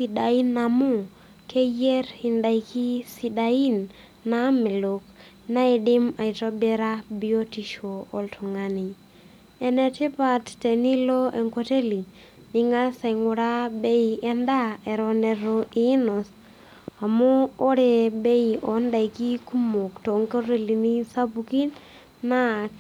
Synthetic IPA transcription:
si˨da˨i˦na˨mu˦ | kʰe˦je˦rhɪ˨nda˨i˨kʰi˦si˨da˨i˦nː | a˦mɛ˨lo˨k | na˦i˨dɪ˦ma˨i˨tɔ˦bɛ˦ɾa˦bi˦o˦ti˨ʃo˨o˨ltʰu˨ŋa˦ni˨ | ɛ˨nɛ˨ti˦pa˨tte˨ni˦lo˦ɛ˨ŋko˦te˦li˨ | nɪ˦ŋa˦sɛ˨ŋʊ˨ɾa˦be˦i˨ɛ˦nda˦ɛ˨ɾɔ˨nɛ˨ɾo˨ʔi˦nɔ˨s | a˨moː˦ɾe˨be˦i˨ʔɔ˨nda˨i˨ki˦ku˦mo˨kto˨ŋko˦ɾe˦li˨ni˦sa˦bu˨ki˦n | na˦˨

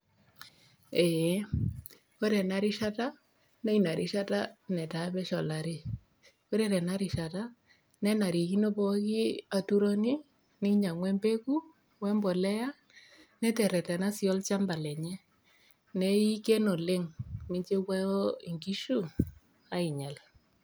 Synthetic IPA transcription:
ɛ˨˦ | ko˦ɾɛ˨na˦ɾi˦ʃa˦ta˦ | nɛ˦i˨na˨ɾʔi˦ʃa˦ta˦nɛ˨ta˨bɛ˦ʃɔ˨la˨ɾi˦ | ko˦ɾɛ˦ɾɛ˨na˦ɾi˨ʃa˨ta˦ | nɛ˦na˨ɾi˨ki˦no˦pɔ˦ki˦a˨tu˦ɾɔ˦ni˦ | ni˦ɲa˨ŋwɛ˦mbe˦ku˦ | wɛ˦mbɔ˨lɛ˦ja˦ | nɛ˦tɛ˨ɾɛ˨tɛ˨na˦sjɔ˦lt͡ʃa˦mba˨lɛ˨ɲɛ˦ | nɛ˦i˦kɛ˦no˨le˦ŋmi˦ɲt͡ʃe˦kwa˦ɔ˦i˨ŋɡi˦ʃu˦ | a˦i˨ɲa˨l

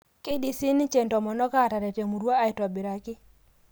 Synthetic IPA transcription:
ki˦di˨si˦ni˦t͡ʃe˨ntɔ˨mɔ˨nɔ˦ka˦˨ta˨ɾe˨te˨mu˨ɾwa˦a˨ɪ˨twa˨bi˨ɾa˨kɪ˦

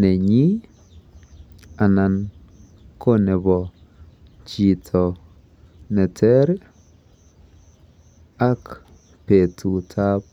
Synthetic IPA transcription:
nɛ˨ɲi˦ | a˨na˨n | kʰo˦nɛ˨bɔ˨ | t͡ʃi˨tʰɔ˨ | nɛ˨tʰɛ˦ɾ | a˦k | pe˨tʰu˨tʰa˦p̚

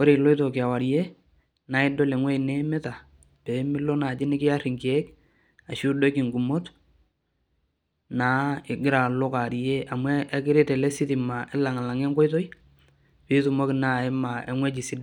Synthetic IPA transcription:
o˦ɾe˨lo˦ɪ˦to˨kɪ˨a˨wa˨ɾje˦ | na˨˦ɪ˦do˦lɛ˨ŋwɛ˦i˨ne˦mɛ˦ta˨ | pe˨˦mɪ˦lo˦na˨t͡ʃɪ˦nɪ˦kɪ˦ja˦rɪ˨ŋki˨e˦k | a˨ʃu˦do˦kɪ˨ŋɡu˨mo˦t | naː˨˦ɪ˨ɡɪ˦ɾa˨lʊ˦ka˨ɾje˦ʔa˨mwɛ˦ʔːkɪ˦ɾe˦tɛ˨lɛ˦sɪ˦tɪ˨ma˨ʔɛ˦la˨ŋa˨la˨ŋe˦ŋko˦jto˦i˦ | pi˦tu˨mo˦kɪ˨na˦˨ɛ˦ma˨ḛ˨ŋwe˦t͡ʃi˨si˦d

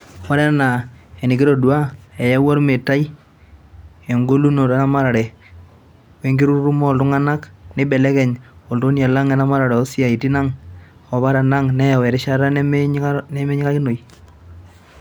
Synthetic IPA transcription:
wa˦ɾɛ˦na˨e˨nɪ˨ki˦ɾo˨du˨a˦e˨ja˦wo˦ɾme˨ta˦i˦ | e˨ŋɡo˦lu˦no˨ta˦na˦ma˦ɾa˨ɾɛ˨ | we˦ŋɡi˦ɾu˦ɾu˦ɾu˦mɔ˦˨ltʊ˦ŋa˦na˦kne˦bɛ˨lɛ˦kɛ˨ɲɔ˨lto˦nja˨la˦ŋɛ˦na˦ma˦ɾa˨ɾɛ˨ɔ˦si˦a˨i˨ti˦na˦ŋ | ɔ˨βa˦ɾa˨na˦ŋnɛ˦ja˨wɛ˨ɾɪ˦ʃa˦ɾa˦nmnɛ˦me˦ɲɪ˦ka˦kɪ˦no˨i˨

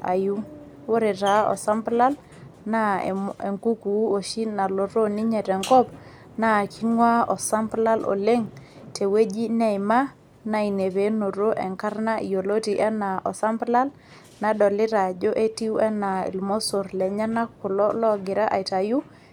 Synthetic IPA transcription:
a̰˨ju˦ | wo˦ɾe˨ta˨ɔ̰˨sa˦mpla˦l | na̰˦˨e˨ŋku˦ku˨˦o˨ʃi˦na˨lo˨ɾo˦ni˦ɲɛ˨tɛ˨ŋkɔ˦p̚ | na˦kʰi˦ŋwa˦ɔ˨sa˦mpla˦lɔ̰˨le˦ŋ | te˨we˦d͡ʒi˦nɛ˦˨jma˦ | na˦i˨ne˨βe˨˦no˨ɾo˦ʔɛ˨ŋka˦ɾna˦ʔi˨jo˨lo˦ti˨ʔɛ˦na˨ʔɔ˨sa˦mpla˦l | na˨ɗɔ˨lɪ˦ɾa˨d͡ʒo˦ʔe˦ti˦wɛ˦na˨ḭ˨lmo˦so˨ɾlɛ˨ɲa˦na˦kːu˨lɔ˦lɔ˦ɡɪ˨ɾa˦ʔa̰˨jta˨ju˦

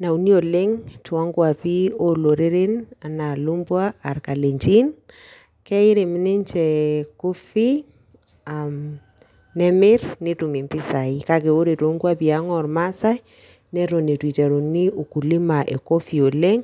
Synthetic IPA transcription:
na˨u˨ni˦o˨le˦ŋtu˨a˦ŋɡwa˨pi˦o˦lo˨ɾe˦ɾɪ˦na˨na˨lu˦mbwaː˦˨ɾka˨le˨ɲt͡ʃi˦n | kɛ˦i˦ɾe˨mi˦ni˦ɲt͡ʃɛ˨ku˦fi˦ | am | nɛ˦mɪ˦ɾni˦tu˨mi˨mpi˦sa˨ika˦ke˨o˦ɾe˨to˦ŋɡwa˦pi˨a˦ŋɔ˨ɾma˦sa˦j | nɛ˦ɾo˨ni˨twi˨tɛ˨ɾu˨ni˦ʔu˨ku˨li˦ma˨ʔe˨ko˦fi˨o˨le˦ŋ

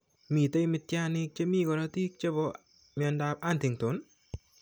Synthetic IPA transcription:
miː˨tə˦jmi˧t̪̚ja˦˧ni˧k̚t͡ʃe˧miː˧˨kɔ˧ɾɔ˧t̪i˦k̚t͡ʃe˦bɔ˧ | mjɔ˧nda˧p̚a˦˨nt̪i˨ŋt̪o˨˦n

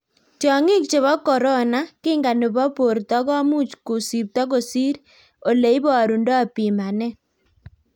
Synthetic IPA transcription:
tɔ˨ŋɪ˦k̚t͡ʃe˨βɔ˦kɔ˨ɾɔ˦na˦kɪ˦ŋɡa˨nʊ˨bɔ˦po˨ɾt̪ɔ˦ɡɔ˦mu˦t͡ʃku˨si˨p̚t̪ɔ˦ɡo˨si˦ɾ | o˨le˨i˦bɔ˦a˨ɾu˨ndɔ˦a˨pi˨ma˨nɛ˦

